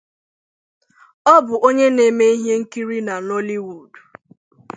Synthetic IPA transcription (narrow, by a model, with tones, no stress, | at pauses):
ɔ˦bʊ˨ʔo˦ɲe˦ne˨me˦i˦ɦje˦ŋ̩˦ki˦ɾi˦na˨nɔ˦li˦wu˨d